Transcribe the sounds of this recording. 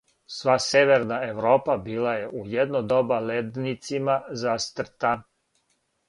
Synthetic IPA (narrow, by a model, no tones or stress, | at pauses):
sʋaseʋe̞ɾnaeʋɾoːpabiːlaje̞ʔujed̪nod̪obaled̪nit̪simazast̪r̩t̪an